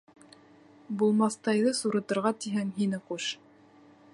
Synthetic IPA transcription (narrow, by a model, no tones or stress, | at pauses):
bulˠmɑθt̪ɑjðɤsuɾɤ̆t̪ɤ̆ɾʁɑt̪iɦæŋɦinɘquʃ